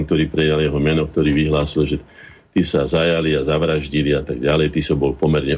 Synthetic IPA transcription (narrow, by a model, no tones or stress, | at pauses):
k̚t̪ɔɾiːpɾɛjaljɛɦɔmɛnɔk̚t̪ɔɾiːʋiɦlaːsilʒɛ | t̪isazajaliazaʋɾaʒɟiliat̪aɡɟalɛjt̪isɔbɔlpɔmɛɾɲɛ